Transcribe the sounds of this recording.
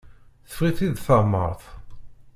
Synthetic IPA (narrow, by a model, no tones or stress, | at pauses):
θə̥fʁiθiðθamːə̰ɾˤθˤ